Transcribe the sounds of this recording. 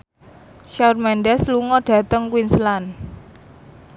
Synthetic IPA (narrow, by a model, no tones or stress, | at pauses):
ʃarmɛndɛsluŋɔɖ̥ä̤t̪əŋkwinslan